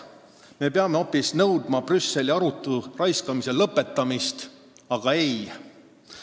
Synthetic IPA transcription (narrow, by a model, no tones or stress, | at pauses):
me̞peɑme̞o̞pːˑisnɤwd̪mɑb̥rysːe̞liɑɾut̪ˑːurɑjskɑmise̞lɤpːˑe̞t̪ːɑmist̪ | ɑɡ̥ɑe̞j